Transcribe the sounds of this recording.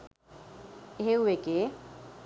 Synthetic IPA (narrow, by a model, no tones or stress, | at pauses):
eɦeueke